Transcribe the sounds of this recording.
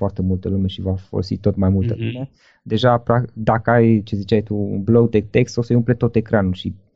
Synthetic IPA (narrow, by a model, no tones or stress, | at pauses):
foart̪e̞mult̪əlume̞ʃivafo̰lo̰sḭt̪ːo̞t̪majmult̪əlume̞ | d̪e̞ʒapad̪akəajt͡ʃe̞zit͡ʃajt̪uṵnblo̞ɡd̪et̪e̞kst̪o̞səjumple̞t̪o̞t̪e̞kɾanulʃi